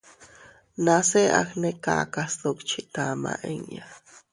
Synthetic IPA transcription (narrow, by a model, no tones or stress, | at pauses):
naseʔaxnekaːkast̪ukt͡ʃʰiʔt̪ama̰ʔeŋja